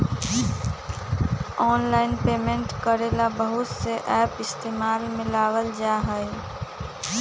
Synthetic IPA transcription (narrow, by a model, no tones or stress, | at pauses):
ɔːnlaːɪnpeːmẽɳʈkəɾeːlabəɦʊt̪seʔɛːpɪst̪eːmaːlmɪ̃laːwəld͡ʒaːɦəe